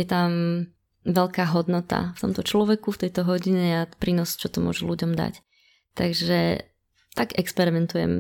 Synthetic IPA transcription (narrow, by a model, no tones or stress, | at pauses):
jɛt̪am | ʋɛʎkaːɦɔd̪nɔt̪a̰ft̪ɔmt̪ɔt͡ʃlɔʋɛkuft̪ɛjt̪ɔɦɔɟiɲɛapɾiːnɔst͡ʃɔt̪ɔmʊɔ̰ʒuluɟɔmd̪a̰c | t̪aɡʒɛ | t̪aɡɛkspɛɾimɛnt̪ujɛ̰m